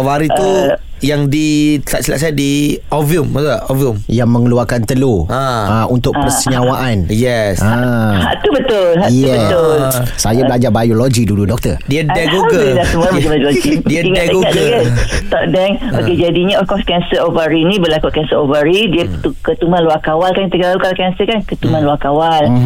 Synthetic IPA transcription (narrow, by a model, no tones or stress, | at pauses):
ovaɾit̪u | jaŋdit̪a̰ʔsila̰ʔs̬ajadiɔvummat̪uaɔviumjaŋmə̃ŋəluakant̪əloaaunt̪ʊkpəsəɲãwaʔanjɛsaha̰ʔt̪ubət̪ʊlhajɛb̪ʊlsajabəlaɲd͡ʒabajolod͡ʒidududɔk̚t̪ədiədɛɡoklasəmuamat͡ʃamajoloɡidiiŋɛəŋaʔd͡ʒəɡət̪ɔʔdɛŋo̰ked͡ʒadiɲaɔfkɔskɛnsəɾovəɾinĩbəlakuʔkɛnsəɾovəɾidiət̪ukət̪umanluakawalkanit̪əkəlalukalakɛnsəkankət̪umãnluakawal